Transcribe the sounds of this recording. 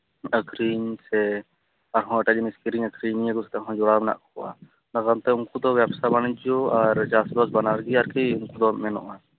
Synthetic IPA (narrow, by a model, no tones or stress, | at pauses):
əkɾiɲsɛ | aɾɦɔ̃əʈad͡ʒiniskiɾiɲəkɾinijəɡɔsɛ̥t̪aʔɦɔ̃d͡ʒɔɽamɛna̰ʔkɔkɔʔa̰ | naɡant̪ɛuŋkud̪ɔbɛbsabañid͡ʒɔaɾd͡ʒasbɔsbanaɾɡiaɾkɛjuŋkud̪ɔmɛnɔ̰ʔa